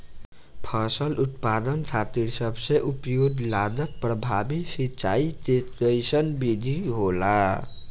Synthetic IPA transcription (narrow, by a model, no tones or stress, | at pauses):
pʰʌsʌlut̪pad̪ənt͡ʃʰat̪iɾsʌbseʔupjod̪lad̪ʌt̪̚prʌbʱabisit͡ʃa̰it͡ʃet̪ʌjsʌnbid̪ʱiɦola